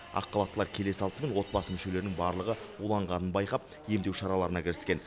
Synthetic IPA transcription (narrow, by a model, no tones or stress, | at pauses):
ɑ̰qːɑlˠɑt̪ːlˠɑɾkʲʰe̞le̞sɑlˠəsəme̞nwo̞t̪̚bɑsəmʏʃe̞le̞ɾɪnɪŋbɑɾlˠəʁə | ulˠɑɴʁɑnənbɑjqɑp | je̞md̪e̞wʃɑɾɑlˠɑɾənɑkʲʰɪɾɪskʲe̞n